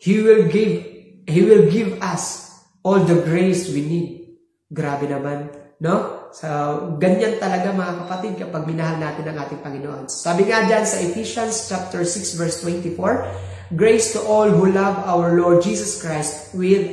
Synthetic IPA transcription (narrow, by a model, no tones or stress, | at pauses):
hiwɪlɡɪv | hiwɪlɡɪvɐs | ʔold̪ɐɡɹejswinid̪̚ | ɡɾaːbɛnɐmanːosɐɡɐɲant̪ɐlɐɡamɐŋakɐpɐt̪id̪̚kɐpaɡ̚mɪnɐɦalnaːt̪ɪnɐŋʔaːt̪ɪŋpɐŋɪnoʔonso̥saːbɪŋad͡ʒansɐʔɪfiʃɐnst͡ʃap̚t̪ɛɹsɪksvɛɹst̪wɛnt̪ɪfoɹ | ɡɹejst̪ʊʔolhulavawəɹloɹd̪̚d͡ʒiːsɐskɹajst̪̚wɪð